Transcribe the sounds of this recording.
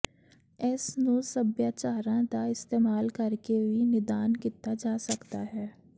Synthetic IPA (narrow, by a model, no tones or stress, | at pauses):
ɛsnoːsɐbjat͡ʃaːɾãt̪aɪst̪eːmaːlkɐɾkebʱinɪd̪aːnkit̪ad͡ʒaːsɐkt̪aɦɛː